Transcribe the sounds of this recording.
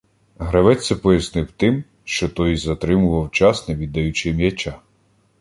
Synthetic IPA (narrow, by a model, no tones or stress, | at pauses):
ɦɾɐʋɛt͡ssʲɐpɔjɐsnɪwt̪ɪm | ʃt͡ʃɔt̪ɔjzɐt̪ɾɪmʊʋɐwt͡ʃɑsnɛʋʲid̪ːɐjut͡ʃɪmjɐt͡ʃa